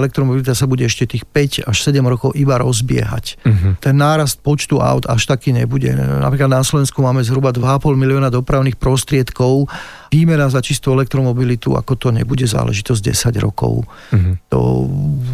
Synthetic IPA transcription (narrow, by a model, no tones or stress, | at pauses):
ɛlɛk̚t̪ɾɔmɔbilit̪asabuɟɛɛʃcɛt̪iːxpɛcaʃsɛɟɛmɾɔkɔʊʔibaɾɔzbɪɛ̰ɦa̰ct̪ɛnːaːɾast̪̚pɔt͡ʃt̪ua̰ʊd̪aʃt̪akiːɲɛbuɟɛ̰na̰pɾiklad̪naslɔʋɛnskumaːmɛzɦɾubad̪ʋaːpɔlmiliɪɔnad̪ɔpɾaʊniːxpɾɔst̪ɾɪɛt̪kɔʊ | iːmɛnazat͡ʃist̪uɛlɛk̚t̪ɾɔmɔbilit̪ṵa̰kɔt̪ɔɲɛ̰buɟɛza̰ːlɛ̰ʒit̪ɔzɟ̚ɟɛ̰saɟɾɔ̰kɔ̰ʊ | t̪ɔ̰